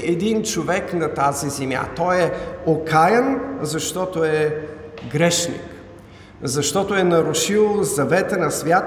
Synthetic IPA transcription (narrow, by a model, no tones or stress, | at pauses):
ʔɛd̪int͡ʃovɛknɐt̪azizɛmja̰t̪ɔjɛokʰajənzɐʃt̪ɔt̪oɛ | ɡɾɛʃnḭk | zɐʃt̪ɔt̪oɛnɐɾʊʃilˠzɐvɛt̪ənɐsvʲjat̪